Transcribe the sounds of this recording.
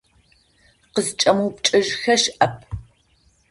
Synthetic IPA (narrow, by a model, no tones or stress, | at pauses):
qəzt͡ʃʼɐmuːpt͡ʃʼɨʒxɐʃʔɐp̚ʰ